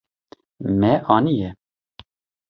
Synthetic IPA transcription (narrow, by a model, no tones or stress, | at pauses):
mɛʔɑːnijɛ